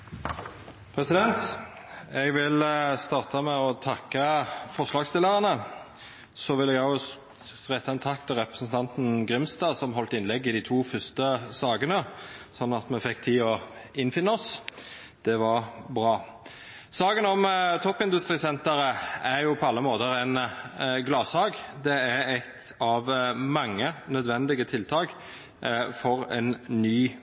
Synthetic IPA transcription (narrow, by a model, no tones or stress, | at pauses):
pʰɾɛsɪd̪ɛnt̪ | ɛɡʋɪlst̪ɑːʁt̪ɑmɛɔt̪ʰɑkːəfɔʁʂlɑːɡst̪ɪlːəʁɑnə | sɔʋɪlːɛɡɑ | ʁɛt̪ːɑɛnt̪ʰɑk̚t̪ʰɪlʁɛpɾəsən̩t̪ʰɑnt̪n̩ɡʁɪmst̪ɑːsɔmɦɔlt̪ɪnlɛɡːɪd̪iːt̪ʰuːfʏʁst̪əsɑːɡənəsɔnːɑt̪mɛfɛkːt̪ʰiːɔɪnfɪnːəɔs | d̪̥ɛʋɑʁbʁɑː | sɑːɡənɔmt̪ʰɔpːɪnd̪ʉst̪ʁiːsɛnt̪əɾəæɾjʊpʰɔɑlːəmoːt̪əɾɛnɡlɑːshɑːɡd̪ɛæɾɛt̪ | ɑʋmɑŋːənœd̪ʋɛnd̪ɪɡət̪ʰɪlt̪ʰɑːk | fɔʁɛ̰nnːyː